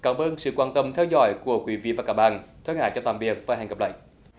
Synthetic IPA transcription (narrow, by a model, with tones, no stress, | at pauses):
kaː˧˩mʔəː˧nsɨ̰˧˨kwaː˧nt̪ə˧mt̪ʰɛː˧wzɔ̰˧˩˦jku˧˩əkwi˧˦vḭ˧˨vaː˨˩kaː˧˦˥k̚ɓa̰ː˧˨nt̪ʰə˧˦ŋha̰ː˧˨jt͡ɕɔ˧t̪aː˧˨mvi˨˩ək̚vaː˨˩ɦaː˨˩ŋkə˨˩pla̰ː˧˨j